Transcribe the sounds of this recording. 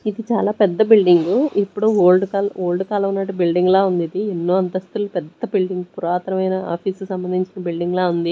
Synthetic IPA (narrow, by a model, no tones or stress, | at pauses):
id̪it͡ʃaːlaːpɛd̪ːɐbilɖiŋɡuepːuɽuoːlɖkaloːlɖkaːlɐunːɐʈːubilɖiŋɡlaːund̪id̪ienːoːɐnt̪ɐst̪ulupɛd̪ːɐbilɖiŋɡupuɾaːt̪ɐɾɐmɐjnɐa̰ːpʰiːskusɐmbɐnd̪ʱiɲt͡ʃinɐbilɖiŋɡlaːund̪i